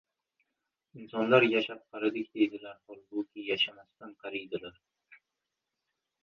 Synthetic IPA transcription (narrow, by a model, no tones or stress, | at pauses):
ɪnsɒnlaɾjaʃap̚qʰɑɾɪd̪ɪk̚ʲd̪e̞jd̪ɪlaɾhɒlˠbʊkʲʰɪjaʃamast̪anqʰɑɾijd̪ɪlaɾ